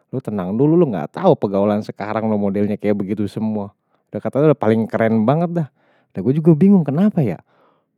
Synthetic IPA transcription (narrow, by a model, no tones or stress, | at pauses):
lʊt̪ənaŋdululuŋɡa̰t̪aupəɡaulansəkaɾaŋlomodɛlɲakajaʔbəɡit̪usəmua | udahkat̪adudapalɪŋkəɾɛnbaŋət̪̚dah | daɡuad͡ʒuɡabiŋʊŋkənapaja̰